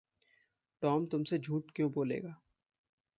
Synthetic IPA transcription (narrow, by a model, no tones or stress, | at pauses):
ʈɔːmt̪ʊmsed͡ʒʱuːʈkjõboːlḛːɡaː